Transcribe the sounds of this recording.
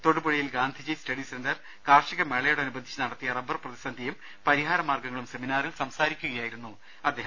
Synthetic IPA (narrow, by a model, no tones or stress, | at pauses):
t̪o̞ɽubɐɻijilɡaːnd̪ʱid͡ʑistɐɽisendɐr | kaːrʂiɣɐmeɭɐjoɽeɐnubɐd̪ʱi̥t͡ɕːɐnɐɽɐt̪ːijɐrɐbːɐrprɐðisɐnd̪ʱjɐjum | pɐɾiɦaːɾɐmaːrɡɐŋːɐɭumse̞minaːrilsɐmsaːɾikʲːuɣɐjaːjiɾunːu | ɐd̪ːeːɦɐm